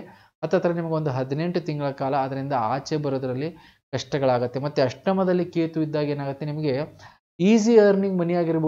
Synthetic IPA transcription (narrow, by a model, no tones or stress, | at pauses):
ɐt̪ːɐt̪ːɐɾɐnimɐɡeo̞nd̪uɦɐd̪ine̞ɳʈut̪iŋɡɐɭɐkaːlɐːd̪ɐɾind̪ɐaːt͡ʃebɐɾoːd̪ɐɾɐlːi | kɐʂʈɐɡɐɭaːɡut̪ːe̞mɐt̪ːeɐʂʈɐmɐd̪ɐlːikeːt̪uid̪ːaːɡe̞ːnaːɡut̪ːe̞nimɐɡe̞ | iːsiɐːɾniŋɡmɐnijaːɡiɾɐb